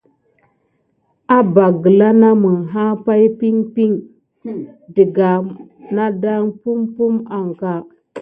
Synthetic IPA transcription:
a˦ba˨ɡə˨la˦na˦mu˨ŋɦa˦pa˦jpi˦ŋpi˦ŋ | di˨ɡa˨na˦da˦ŋpu˦mpu˦ma˨ŋka˦˨

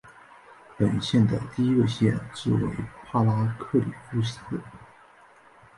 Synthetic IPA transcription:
pə˨˩nɕjɛ˥˩nd̪ə˩t̪i˥˧i˥ɡə˧ɕjɛ˥˩nʈ͡ʂɻ̩˥˩wḛ˧˥ɪpʰa˥la˥kʰɤ˥˩lḭ˨˩fu˥ɕi˧˥xɤ˥˩

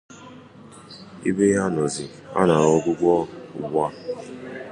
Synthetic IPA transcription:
ḭ˦be˦ja˦nɔ˨zɪ˨ | a̰˦na˨ɔ˦ɡʷʊ˦ɡʷɔ̰˦˨ɡ͡ba˦

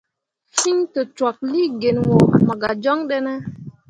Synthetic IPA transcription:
fi˦ɲtə˨t͡ʃwa˨k̚li˦ɡe˨nwo˨ma˨ɡa˨d͡ʒɔ˦ŋɗe˦ne˦

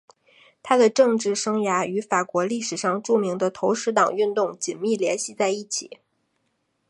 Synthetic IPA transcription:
t̪ʰa˥d̪ə˨ʈ͡ʂɤ˥˧ŋʈ͡ʂɻ̩˥˩ʂɤ˥ŋja˧˥y˧˥fa˨˩kwɔ˧˥li˥˩ʂɻ̩˨˩ʂɑ˥˧ŋʈ͡ʂu˥˩mi˧˥ŋd̪ə˧t̪ʰo˧˥ʊʂɻ̩˧˥t̪ɑ˨˩ŋy˥˧nt̪ʊ˥˩ŋt͡ɕi˨˩nmi˥˩ljɛ˧˥nɕi˥˧t͡sa˥˧ɪi˥˩t͡ɕʰḭ˨˩˦

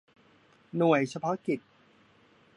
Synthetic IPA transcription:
nu˨˩əjt͡ɕʰa˧pʰɔ˦˥ki˨˩t̪̚

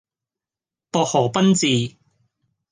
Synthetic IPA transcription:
pɔː˧k̚hɔː˨˩pɐ˥nt͡siː˨˧

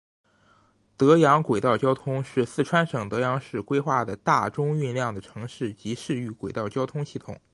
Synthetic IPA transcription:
t̪ɤ˧˥jɑ˧˥ŋkwe˨˩ɪt̪ɑ˥˩ʊt͡ɕjɑ˥ʊt̪ʰʊ˥ŋʂɻ̩˥˧sɹ̩˥˩ʈ͡ʂʰwa˥nʂɤ˨˩ŋt̪ɤ˧˥jɑ˧˥ŋʂɻ̩˥˩kwe˥ɪxwa˥˩d̪ə˩t̪a˥˩ʈ͡ʂʊ˥ŋy˥˧nljɑ˥˩ŋd̪ə˩ʈ͡ʂʰɤ˧˥ŋʂɻ̩˥˩t͡ɕi˧˥ʂɻ̩˥˧y˥˩kwe˨˩ɪt̪ɑ˥˩ʊt͡ɕjɑ˥ʊt̪ʰʊ˥ŋɕi˥˩t̪ʰʊ̰˨˩˦ŋ

